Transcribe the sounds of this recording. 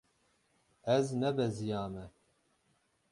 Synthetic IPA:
ɛznɛbɛzijaːmɛ

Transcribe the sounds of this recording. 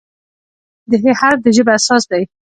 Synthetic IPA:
d̪əɦehaɾd̪əʒəbeasɑsd̪aj

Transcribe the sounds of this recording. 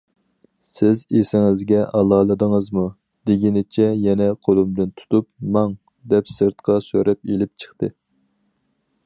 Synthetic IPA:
sɪzesɪŋɪzɡʲɛʔɑlˠɑːlˠɨd̪əŋəzmu | d̪̥eɡʲinɪt͡ʃʰɛjɛnɛqʰolˠumd̪ɨnt̪ʰu̥t̪up̚mɑŋ | d̪ɛpsɨɾt̪qʰɑsøɾɛpelɪp̚t͡ʃʰə̥χt̪ɨ

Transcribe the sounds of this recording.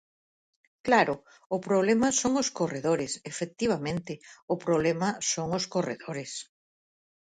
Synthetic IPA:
klaɾʊ | ʊpɾoβlemɐsoŋʊskoreðoɾɪsefek̚t̪iβ̞amẽnt̪ɪʊpɾoβlɛmɐsoŋʊskorḛðoɾɪs

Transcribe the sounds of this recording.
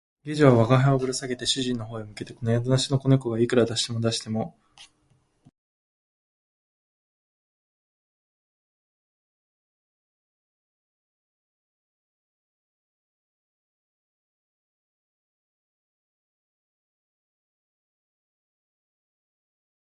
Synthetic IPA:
ɡʲeʑiβaβaɡaɦaobɯ̟ɾɯsaɡe̞t̪e̞ɕɨʑĩnːo̞ɦoːimɯ̟ke̞t̪e̞ko̞nojad̪onaɕino̞ko̞ne̞ko̞ɡaikɯ̟ɾad̪aɕi̥t̪e̞mo̞d̪aɕi̥t̪e̞mo̞

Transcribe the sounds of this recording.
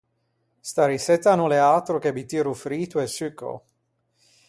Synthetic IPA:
st̪aɾiset̪anuleat̪ɾokebit̪iɾufɾiːt̪uesyko̰

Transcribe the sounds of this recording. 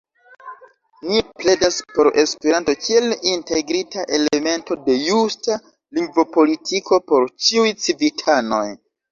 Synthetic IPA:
niple̞daspo̞ɾe̞spe̞ɾanto̞kʰie̞linte̞ɡɾitaʔe̞leme̞nto̞de̞justa | liŋɡvopo̞litʰiko̞po̞ɾt͡ʃiujt͡sivitʰano̞̰j

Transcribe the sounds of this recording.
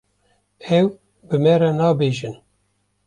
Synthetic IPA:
ɛw | bɨmɛɾɛnɑːbeːʒɨn

